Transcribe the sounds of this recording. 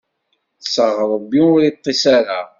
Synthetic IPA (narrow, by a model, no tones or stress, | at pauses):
θsəʁəɾˤəbːiʊɾit̪ˤːisaɾa